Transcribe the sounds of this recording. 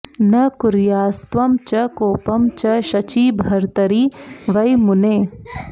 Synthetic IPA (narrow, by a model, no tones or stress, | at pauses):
nɐkʊɾjaːst̪ʋɐmt͡ʃɐkoːpɐmt͡ʃɐʃɐt͡ʃiːbʱɐɾt̪ɐɾiːʋɐjmʊneː